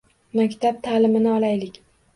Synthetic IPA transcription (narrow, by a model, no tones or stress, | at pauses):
makʲt̪ʰab̚t̪ʰaːlɪmɪnɪɒlajlɪkʲ